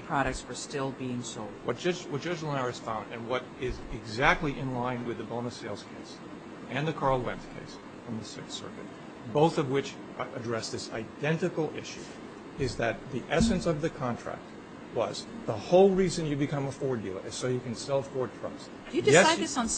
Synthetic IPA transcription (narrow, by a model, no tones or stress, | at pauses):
pʰɹ̥ɑɾɨk̚tsfə˞stɪlˠbiɪ̃ŋsoʊlˠdwʌt̚ʌd͡ʒwʌt̚d̥ʒ̥ʌd͡ʒl̩ˠə̃nɛɹɨsfãʊ̃ndɨ̃nwʌɾ | ɪzɪɡzæk̚tˡliʔɨ̃nlãɪ̃nwɨðɨbõʊ̃nɨseɪlˠz̥kʰeɪs | ɨ̃nðɨkʰɑɹl̩ˠwɛ̰̃nθkʰḛɪs | fɹʌ̃mðɨsɪksɜ̰˞kɨ̰t̚ | b̥oʊθʌvwɪt͡ʃ | ɨdɹɛsðɪsa̰ɪdɛ̃ntɨkl̩ˠɪʃʉ̰ | ɪzðɨt̪̚ðiʔɛsɨ̃nsʌvðɨkʰɑ̃ntʰɹ̥æ̰k̚t̚ | wʌ̰zðəhoʊlˠɹizɨ̃njɨbɨkʰʌ̃məfɔɹə˞dilˠə̰˞ʔɨz̥soʊjɨkɨ̃n̩sɛlˠəfɔɹd̚tʰɹ̥ʌ̰ks | d̥ɨɨdɪjɛaɪdðɪsn̩